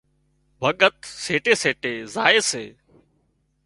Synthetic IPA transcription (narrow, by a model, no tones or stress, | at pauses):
ʋəɠət̪seːʈeːseːʈeːzaːeːseː